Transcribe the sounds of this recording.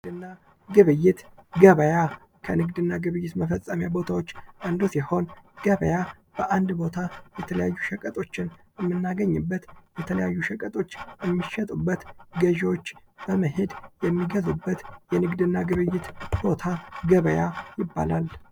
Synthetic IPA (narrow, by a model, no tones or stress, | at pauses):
ɨnːa | ɡɨβɨjːɪt̪ɡəβəja | kʰənɨɡd̪ɨnːaɡɨβɨjːɪt̪məfəsʼəmjabo̞t̪ʰawo̞t͡ʃːʔənd̪usiho̞nɡ̥əβəja | b̥əʔand̪bo̞t̪ʰajɛt̪ʰələjajːuʃəkʼət̪ʼo̞t͡ʃːɪn | ɛmːɨnːaɡəɲːɪbːət̪jɛt̪ʰələjajːuʃəkʼət̪ʼo̞t͡ʃːjɛmːiʃːɛt̪ʼubːət̪ɡəʒwot͡ʃːb̥əməɦed̪jɛmːiɡəzubːət̪jɛnɨɡd̪ɨnːaɡɨβɨjːɪt̪b̥o̞t̪ʰaɡəβəjajɪbːa̰lal